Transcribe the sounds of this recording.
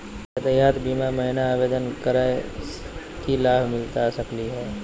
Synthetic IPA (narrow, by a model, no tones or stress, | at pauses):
ət̪əjaːt̪biːmaməɦɪnaːʋeːd̪ənkəɾae | kilaːbʱmɪlt̪asəkliɦɛː